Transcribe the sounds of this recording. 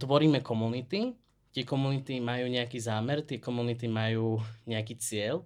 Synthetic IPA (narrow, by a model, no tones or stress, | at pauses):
t̪ʋɔɾiːmɛkɔmunit̪i | t̪ɪɛkɔmunit̪imajuːɲɛakiːzaːmɛɾt̪ɪɛkɔmunit̪̬imajuːɲɛakiːt͡sɪɛl